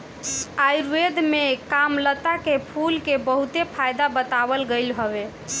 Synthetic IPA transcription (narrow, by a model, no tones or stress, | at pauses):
ajɾwed̪mekamlət̪akepʰulkebəɦut̪epʰajd̪abət̪abəlɡəjlɦəβe